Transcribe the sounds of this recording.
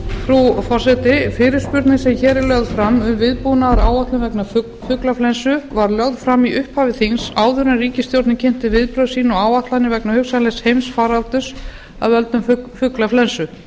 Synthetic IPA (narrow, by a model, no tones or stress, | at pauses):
fɾufɔrsɛt̪ɪfɪːɾɪɾ̥spʏɾt̪nɪsɛmçɛːɾɛlœɣðfɾamːʏmvɪðpunaaɾa̰ːwaht̪lʏmvɛkna | fʏklaflɛnsʏvaɾljœɣðfɾamiʔʏhphaːvɪθinsaːwðʏɾanriːcɪst̪jowɾt̪nɪcʰɪn̥t̪ɪvɪðpɾœðsiːnɔaːwaht̪lanɪvɛknahʏksanlɛshejmsfaːɾalt̪ʏs | avœlt̪ʏmffʏklaflɛnsʏ